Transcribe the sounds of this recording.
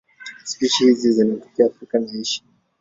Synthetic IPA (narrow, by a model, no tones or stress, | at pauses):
spiʃihizizinɛtɔ̥kiaːfɾikanaiʃi̥